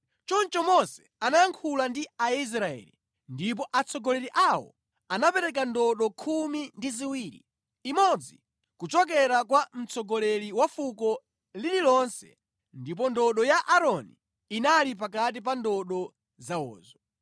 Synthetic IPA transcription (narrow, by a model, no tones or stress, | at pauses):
t͡ʃɔnt͡ʃɔmɔsɛ̥anajaŋkʰulandiais̬ɾaɛ̰lḭ | ndip̬ɔʔat͡sʰɔɡɔlɛɾiʔawɔ̰ | anapɛɾɛk̬andɔɗɔkʰumindiziwiːɾḭ | imɔd͡zi | kut͡ʃɔk̬ɛɾakwam̩t͡sɔɡɔlɛɾiwafukɔ | lililɔnsɛ̰ | ndip̬ɔndɔɗɔjaʔaɾɔni | inalip̬ak̬at̬ip̬andɔɗɔ | zawɔ̰ːzɔ